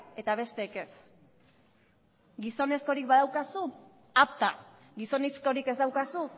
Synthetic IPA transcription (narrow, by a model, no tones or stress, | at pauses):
e̞t̪aβ̞e̞st̪e̞ːke̞s | ɡiso̞ne̞sko̞ɾikbaðawkasu | ap̚t̪a | ɡiso̞nisko̞ɾikezd̪awkasu